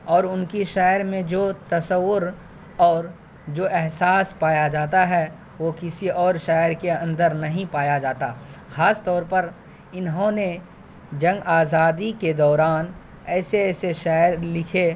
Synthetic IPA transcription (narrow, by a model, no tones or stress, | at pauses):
ɔːɾʊnkiʃɛːɾmẽd͡ʒoːt̪ɐsəʋːʊɾ | ɔːɾ | d͡ʒoːʔɛɦsaːspaːjad͡ʒaːt̪aɦɛ | ʋokɪsiɔːɾʃɛːɾkeɐ̃nd̪əɾnɐɦĩpaːjad͡ʒaːt̪axaːst̪ɔːɾpɐɾ | ɪnɦõne | d͡ʒɐ̃ŋɡaːzaːd̪iked̪ɔːɾaːn | ɛːseɛːseʃɛːɾlɪkʰe